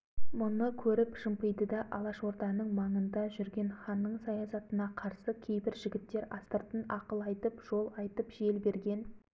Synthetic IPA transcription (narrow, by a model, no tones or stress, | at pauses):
mʊnəkʲʰɵɾɪpʒ̥əmpəjd̪əd̪ɑʔɑlˠɑʃwo̞ɾt̪ɑnəɴmɑɴənd̪ɑʒʏɾɡʲe̞nχɑnːəɴsɑjɑsɑt̪ənɑqʰɑɾsəkʲʰe̞jbɪɾʒɪɡʲɪt̪ːe̞ɾɑst̪əɾt̪ənɑqəlˠɑjt̪əpʒ̥o̞lˠɑjt̪əpʒe̞lbe̞ɾɡʲe̞n